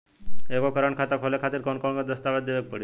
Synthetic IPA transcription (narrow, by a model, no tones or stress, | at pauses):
ekokəɾəɳkʰat̪akʰolekʰat̪iɾkonkɔɳked̪əst̪aʋed̪d̪eʋek̚pəɽi